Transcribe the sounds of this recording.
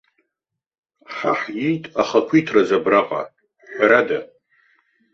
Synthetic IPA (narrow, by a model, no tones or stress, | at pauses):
ħa̰ħjijtʼaχakʷʰijtʰrazabraqʼa̰ | ħɾada